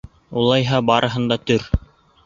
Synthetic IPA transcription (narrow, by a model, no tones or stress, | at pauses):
ulˠɑjɦɑbɑɾʔɤ̆ɦɤ̆nd̪ɑt̪ɵɾ